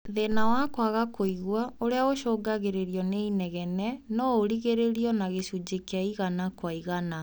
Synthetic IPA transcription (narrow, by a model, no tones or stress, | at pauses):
ðenawakwaɣakoiɣwaoɾeaoɕɔːɡaɣeɾeɾiɔneinɛɣɛnɛnɔoɾiɣeɾeɾiɔnaɣeɕud͡ʑekeaiɣanakwaiɣana